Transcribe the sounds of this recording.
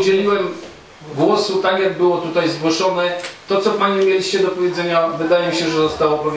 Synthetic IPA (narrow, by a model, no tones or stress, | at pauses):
d͡ʑelʲiwɛm | ɡwɔsut̪akʲjaɡ̚bɘwɔt̪ut̪ajzɡwɔʂɔnɛt̪ɔt̪sɔpaɲiumʲjelʲiɕt͡ɕɛd̪ɔpɔvʲjed̪zɛɲavɘd̪ajɛmʲiɕɛʐɛzɔst̪awɔpɛvʲ